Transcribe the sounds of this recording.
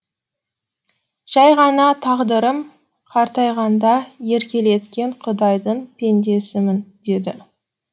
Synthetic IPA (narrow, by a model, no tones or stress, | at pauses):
ʒ̥ɑjʁɑnɑt̪ʰɑʁd̪əɾəm | qʰɑɾt̪ɑjʁɑnd̪ɑje̞ɾkʲe̞le̞t̪kʲe̞ɴqʰʊd̪ɑjd̪əɴpʰe̞nd̪e̞sɪmɪnd̪̥e̞d̪ɪ